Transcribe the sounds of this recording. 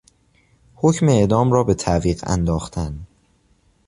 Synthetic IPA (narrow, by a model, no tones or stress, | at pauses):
hocmeeʔd̪ɒːmrɒːbe̞t̪ʰæviːɢæ̰nd̪ɒːxt̪ʰæn